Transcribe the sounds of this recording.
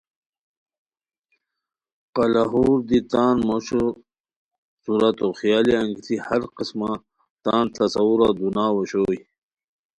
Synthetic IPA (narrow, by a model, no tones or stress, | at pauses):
qɑlaɦuːɾd̪it̪aːnmoɕo | suɾat̪oxjaːliɐŋɡit̪ʰihɐɾqisma | t̪aːnt̪ʰɐsɐwuɾad̪unaːwoɕoːj